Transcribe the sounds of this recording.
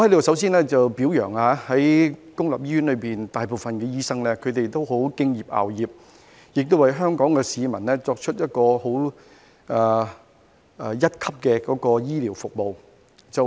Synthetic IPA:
ɔ˧hɐ˥lsɐ˨˥ws̬iː˥nlɛː˥t͡sɐ˨wpiː˨˥wjœ̰ː˨˩ŋaː˧hɐ˨˥jkʊ˥ŋlaː˨p̚jiː˥jyː˨˥nlɵ˨˧piː˨nt̪aː˨jpo˨˩wfɐ˨nkɛ˧jiː˥sɐ˥ŋlɛː˥kʰɵ˨˧ɥt̪e˨jt̪o˥wɦo˨˥wkɪ˥ŋjiː˨p̚ʔa̰ː˨wjiː˨˩p̚ | jɪ˨k̚t̪o˥wɐ˨˩jɦœː˥ŋkɔː˨˥ŋkɛː˧siː˨˧mɐ˨˩nlɛː˥t͡sɔː˧k̚t͡ʃʰɵ˥t̚jɐ˥t̚kɔː˧ho˨˥w | aː˨˩˨ | jɐ˥t̚kʰɐ˥p̚kɛː˧kɔː˨˥kɔː˧jiː˥liː˨˩wfʊ˨k̚mo˨w | t͡sɐ˨

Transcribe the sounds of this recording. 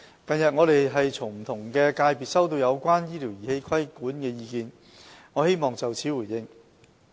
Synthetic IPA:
kɐ˨njɐ˨t̚ŋɔː˨˧ɾe˨jɦɐ˨jt͡sʰʊ˨˩ŋm̩˨˩t̪ʰʊ˨˩ŋkɛː˧kaː˧jpiː˨t̚sɐ˥wt̪̬o˧wjɐ˨˧wkʷaː˥njiː˥lʰiː˨˩wjiː˨˩he˧˥jkʰɐ˥jkuː˨˥nkɛː˧jiː˧kiː˧n | ŋɔ˨˧he˥jmɔː˨ŋt͡sɐ˨wt͡sʰiː˨˥wu˨˩jjɪ˧ŋ

